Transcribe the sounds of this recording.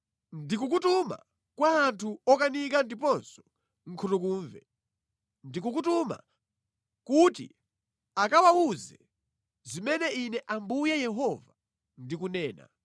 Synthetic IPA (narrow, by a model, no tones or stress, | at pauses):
ndik̬uk̬utuma̰ | kwaːntʰuɔkanik̬andipɔnsɔ̥ | ŋ̩kʰutuk̬uːɱvɛ̰ | ndik̬uk̬utuma̰ | kutḭ | akawauzɛ | zimɛnɛinɛʔambujɛjɛɦɔva | ndikunɛːna̰